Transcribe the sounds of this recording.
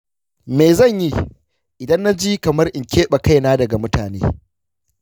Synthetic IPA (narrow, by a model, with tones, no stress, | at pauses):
meː˨zɐ˦˨ɲji˦ | ʔɪ˨dɐ˦nːa˦d͡ʒiː˦kɐ˨mɐ˦rʔɪ˨ŋkʲeː˦ɓa˨ka˦jnaː˦dɐ˨ɡa˨mʊ˦taː˨nḛː˦